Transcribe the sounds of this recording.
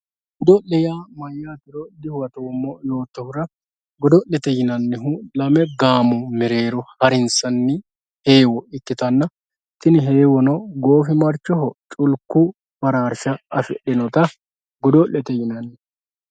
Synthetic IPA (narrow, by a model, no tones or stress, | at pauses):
ɡʊd̪ɔʔɛjaːmɐjːaːt̪ɪɾɔd̪ɪhwɐt̪oːmːɔjo̞ːt̪ːɔhʊɾɐ | ɡɔd̪ɔlːɛt̪ɛjɪnɐnːɪɦʊlɐmɛɡaːmʊmɛɾe̞ːɾɔhɐɾɪnsɐnːɪ | he̞ːwɔɪkːɪt̪ɐnːɐ | t̪ɪnɪɦe̞ːwɔnɔɡo̞ːfɪmɐɾt͡ʃːɔɦɔt͡ʃʼʊlkːʊ | fɐɾaːɾʃɐɐfɛ̰ɗːɛnɔt̪ɐ | ɡɔd̪ɔʔɛt̪ɛjɪnɐnːɪ